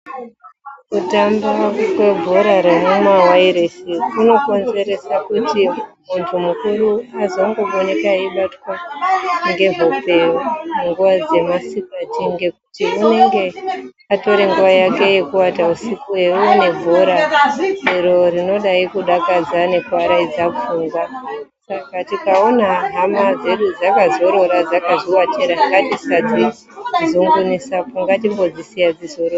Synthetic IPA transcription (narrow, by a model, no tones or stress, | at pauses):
kutambakwe̞bʱoɾaɾenumwawaiɾesiuno̞ko̞nze̞ɾe̞sakutimuntʰumukuruazo̞ŋɡo̞ɓonekaiɓatwaŋɡe̞vo̞pe̞muŋɡuʋad͡ze̞masikatiŋɡe̞ku̥tiune̞ŋɡe̞ | ato̞ɾe̞ŋɡuʋajake̞je̞kuwatausikueune̞vʱuɾa | eɾo̞ɾino̞ɗaikuɗakad͡zane̞kuwaɾaid͡zafuŋɡwasakatikao̞naɦamad͡ze̞ɗud͡zakazo̞ɾo̞ɾad͡zakazowatʰeɾaŋɡatisad͡zi | zoŋɡunisapuŋɡatimbo̞d͡zisijad͡zizo̞ɾoa